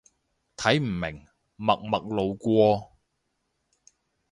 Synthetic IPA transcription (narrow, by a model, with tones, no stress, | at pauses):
t̪ʰɐ˨˥jm̩˨˩mɪ̰˨˩ŋ | mɐ˨k̚mɐ˨k̚lo˨wkʷɔː˧